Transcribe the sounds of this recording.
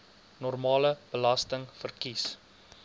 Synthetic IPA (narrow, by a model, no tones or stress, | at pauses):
nɔrmɑːləb̥əlɐstəŋfərkis